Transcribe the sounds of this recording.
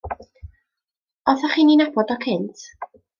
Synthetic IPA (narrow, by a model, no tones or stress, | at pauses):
ɔθaχiːninabɔdɔkʰɪntʰ